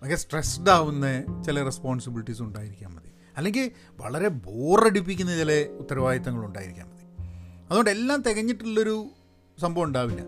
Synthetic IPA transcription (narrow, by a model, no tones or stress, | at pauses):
ʋɐkːɡesʈresɖaːʋunːɐt͡ɕilɐrespoːnsɐbiliʈːisuɳɖaːjiɾikʲːa̰ːmmɐði | ɐlːe̞ŋɡil | ʋɐ̰ɭɐɾe̞boːreɽip̬ːikʲːunːɐt͡ɕilɐut̪ːɐɾɐʋaːjɐt̪ːɐŋːɐɭuɳɖa̰ːjiɾikʲːa̰ːmmɐðiɐðuɣoɳɖe̞lːaːmt̪eɣɐɲːiʈːiɭːɐo̞ɾu | sɐmbʱɐʋuɳɖaːʋinːɐ̰